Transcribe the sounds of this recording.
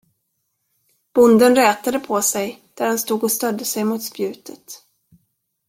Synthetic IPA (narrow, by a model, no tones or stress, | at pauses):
b̥ʊnd̪ənɾɛːt̪ad̪əpʰɔsɛjd̪̥æɾhanst̪uːɡɔst̪œd̪ːəsɛjmʊːt̪spjʉ̟ːt̪ʰət̪